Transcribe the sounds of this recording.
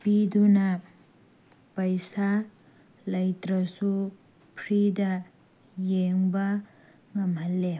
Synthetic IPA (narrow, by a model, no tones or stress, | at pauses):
pid̪una | pəjsa | lajt̪ɾʌsu | pʰɾid̪a | jeŋba | ŋʌmalːe